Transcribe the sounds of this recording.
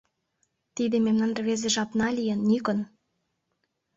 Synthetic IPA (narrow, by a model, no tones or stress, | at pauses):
t̪id̪ememnɑnrβezeʒɑpnɑlʲijənːykə̆n